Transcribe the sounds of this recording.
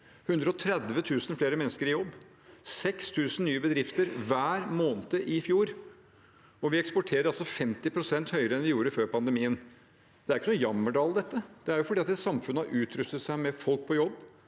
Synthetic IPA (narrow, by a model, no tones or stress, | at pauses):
hʉnd̪ɾəɔt̪ʰɾɛd̪ʋət̪ʰʉːsən̩fleːɾəmɛnːəskəɾɪjɔbː | sɛkst̪ʰʉːsənyːəbəd̪ɾɪft̪əɾʋæːɾmoːnət̪əʔɪfjuːɾ | ɔʋɪɛkspɔʈʰeːɾəɾɑlsɔfɛmt̪ɪpʰɾʊsɛnt̪hœʏəɾəɛnʋɪjuːɾəføːɾpɑnd̪əmiːən | d̪̥ɛæɾɪkːənuːjɑmːəɖɑːld̪ɛt̪ːəd̪̥ɛæɾjʊfɔɖiːɑt̪ɛt̪sɑmfʉnːəhɑɾʔʉːt̪ʰɾʉst̪ət̪sæɪmɛfɔlk̚pʰɔjɔbː